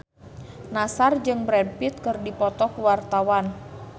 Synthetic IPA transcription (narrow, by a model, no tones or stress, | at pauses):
nasard͡ʒɨŋbɾɛnpit̪̚kɨrdipɔt̪ɔkuwart̪awan